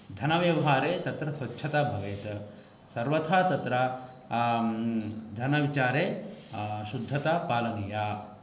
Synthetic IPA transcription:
d̪ʱɐnɐʋjɐʋɐɦaːɾeːt̪ɐt̪ɾɐsʋɐtːʰɐt̪abʱɐʋeːt̪ | sɐɾʋɐt̪ʰaːt̪ɐt̪ɾɐ | d̪ʱɐnɐʋit͡ʃaːɾeː | ʃud̪ʱːɐt̪apaːlɐnijaː

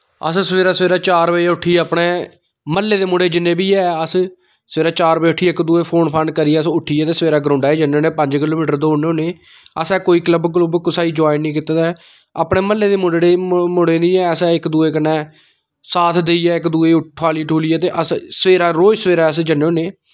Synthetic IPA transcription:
ə̰ssəʋeːɾaːsəʋeːɾaːt͡ʃaːɾbəʊʈʰːiːɛəːpɽeː | məlːeːd̪eːmʊɽeːd͡ʒɪnːẽːbiːɛːəs | səeːɾaːt͡ʃaːɾbəʊʈʰiːɪkd̪uːeːpʰoːnpʰənɖkəɾiɛːəsʊʈʰːiːɛːt̪eːsəʋeːɾaːɡɾãʊɳɖaːed͡ʒənːeːoːneːpəɲd͡ʒkɪloːmiːʈəɾd̪oːneoːneː | əsɛːkoːiːkləbklʊbkʊsaːiːd͡ʒaːɪnːĩːkɪt̪aːd̪a | a̰ːpɳeːməlːeːd̪eːmʊɽɽeːmʊɽeːnĩːɛːsɛɪkd̪uːeːk̬ənːɛː | saːt̪ʰd̪eiːɛːɪkd̪uːeːʊʈʰːaːliːʈʰuːliːɛːt̪eːʔəssəʋeːɾaːɾoːd͡ʒsəʋeːɾaːəsd͡ʒənːeːoːneː

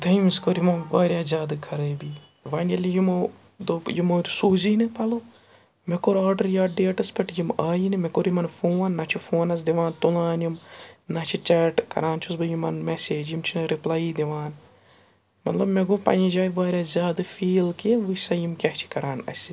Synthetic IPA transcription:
d̪ɐimiskoɾjimɐʋaːɾʲjaːzʲjaːd̪ɨkʰɐɾɨːbi | ʋaːnɐlʲijimo | d̪ojimoːd̪usuːzinipɐlo | mekoɾaːɾɖɐɾjaːɖɖeːʈɐspʲɐʈjimaːjinimekoɾjimɐnfoːnːɐt͡ʃʰifoːnɐs̬d̪iʋaːnt̪ulaːnjimnɐt͡ʃʰit͡ʃaːʈkɐ̰ɾaːnt͡ʃʰusbɨjimɐnmeseːd͡ʒjimt͡ʃʰiɾiplaːjid̪iʋaːn | mɐt̪lɐbmeɡopɐ̰jĩd͡ʒaːjiʋaːɾʲjaːzʲjaːd̪ɨfiːlkiʋɨsɐjimkʲɐht͡ʃʰi̥kɐɾaːnɐ̰sʲi

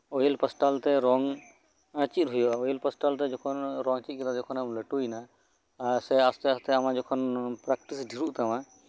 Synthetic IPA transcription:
ojilpəsʈalt̪ɛɾɔŋ | t͡ʃit̪̚ɦujɔaɔjlpəsʈalt̪ɛd͡ʒɔkʰɔnɾɔŋt͡ʃit̪̚kɛd̪ad͡ʒɔkʰɔnamləʈujna | sɛast̪ɛast̪ɛamad͡ʒɔkʰɔnpɾak̚ʈisɖʱiɾuʔt̪ɛma

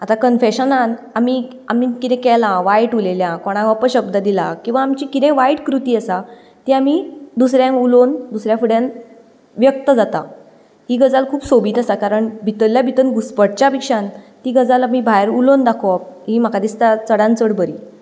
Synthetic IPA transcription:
at̪akənfeɕənan | ami | amikit̪ɛ̃kɛlãʋajʈuleljãkoɽ̃ãkapəɕəb̚d̪ad̪ilã̰kĩw̃ʋaːmt͡ɕikit̪ɛ̃ʋaiʈkɾut̪iːəsa | t̪iamid̪usɾjãŋulond̪usɾjãfuɽjãn | ʋjək̚t̪əd͡zat̪a̰ | ɦiːɡəd͡zalkʰuːpsobiːt̪əsakaɾəɳbʱit̪əljabʱit̪ənɡuspəɽt͡ɕapikʂãnt̪iɡəd͡zalamibʱaeɾulond̪akʰop̚ɦim̤akad̪ist̪at͡səɽãnt͡səɽbəɾi

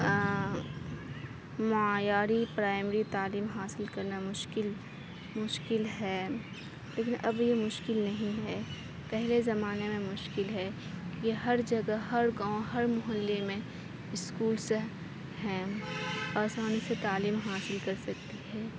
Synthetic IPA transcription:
mʊaːjaːɾipɾaːɪmɾit̪aːliːmɦaːsɪlkɐɾnamʊʃkɪl | mʊʃkɪlɦɛː | leːkɪnʔɐbjemʊʃkɪlnɐɦĩɦɛ | pɛɦlezɐmaːnemẽmʊʃkɪlɦɛ | jeɦɐɾd͡ʒɐɡaɦɐɾɡaːõɦɐɾmʊɦəlːemẽ | ɪskuːlse | ɦɛ̃ː | aːsaːniset̪aːliːmɦaːsɪlkɐɾsɐk̚t̪iɦɛː

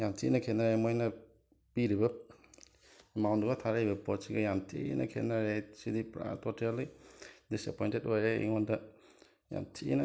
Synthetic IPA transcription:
jamtʰinɐkʰenaɾemojnɐ | piɾibɐ | emawnduɡɐtʰaɾaɾibɐpot̚siɡɐjamtʰḭnʔɐ̰kʰenaɾesidipɾa̰totlidisepojntetojɾeḭŋondɐ | ja̰mtʰinɐ

